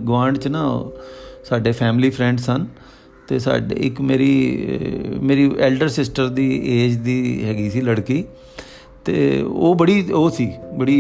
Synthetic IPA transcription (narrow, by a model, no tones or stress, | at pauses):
ɡʋãːɳɖt͡ʃnaː | saːɖeːpʰɛːmliːpʰɾɛ̃ːɳɖsən | t̪eːsa̰ːɖḛɪkmeːɾiː | meːɾiːʔɛːlɖəɾsɪsʈəɾd̪iːeːd͡ʒd̪iːɦɛːɡiːsiːləɽkiː | t̪ḛːo̰ːbəɽiːoːsiːbəɽiː